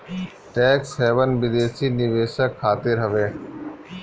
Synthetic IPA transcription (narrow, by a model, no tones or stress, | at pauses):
ʈɛːksheːʋənbɪd̪eːsiːnɪʋeːsəkʰːaːt̪ɪɾɦəʋeː